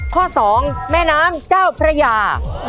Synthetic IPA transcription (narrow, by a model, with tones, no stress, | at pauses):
kʰɔː˥˩sɔː˩˦ŋmɛː˥˩naː˦˥mt͡ɕaː˥˩wpʰɾa˧jaː˧